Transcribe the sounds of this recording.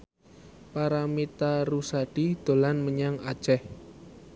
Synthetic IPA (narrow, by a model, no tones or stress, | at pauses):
paɾamit̪aɾusaɖ̥id̪̥o̤lanməɲaŋad̥ʒ̥ɛh